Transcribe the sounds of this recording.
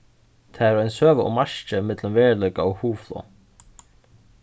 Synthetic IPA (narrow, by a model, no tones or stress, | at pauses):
t̪ʰɛɾɛjnsøːvəʔɔ̰maʂt͡ʃəmɪt̪lʏmvɛːɹlœɥkaɔɣhuːflo̰